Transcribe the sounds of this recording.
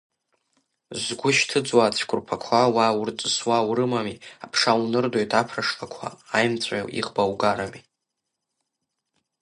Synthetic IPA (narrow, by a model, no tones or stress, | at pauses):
zɡʷʊʃtʰɨd͡zwat͡sʷʰkʷʰʼʊrpʰakʷʰawawrt͡sʼɨswawɾɨmamiapʰʂawnɨrdo̞jtʰapʰraʂlakʷʰa̰ːjmt͡sʷʼa̰ʔḭʁbawɡaɾami